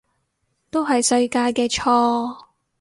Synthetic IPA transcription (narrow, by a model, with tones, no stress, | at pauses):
t̪o˥wɦɐ˨jsɵ˧ɥkaː˧jkɛː˧t͡ʃʰɔː˧˥